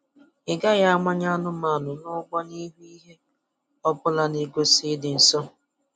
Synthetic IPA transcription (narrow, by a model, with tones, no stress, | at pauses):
ɪ˨ɡa˦ja˦a˦ŋa˦ɲa˦nʊ˦ma˨nʊ˨nʊ˦ɡ͡bɔ˦ni˦ɦu˦i˦ɦe˦ | ɔ˦bʊ˦la˦ne˦ɡʷo˦sɪ˦dɪ˨n̩˨sɔ˦